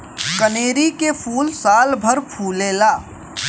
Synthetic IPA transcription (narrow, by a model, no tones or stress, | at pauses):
kəneːɾikepʰuːlsaːlbʱəɾpʰuːleːlaː